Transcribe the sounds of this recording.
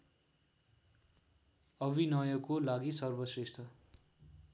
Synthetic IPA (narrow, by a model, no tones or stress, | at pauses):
ʌbinʌjʌkolaɡisʌrbʌsresʈ̪ʰʌ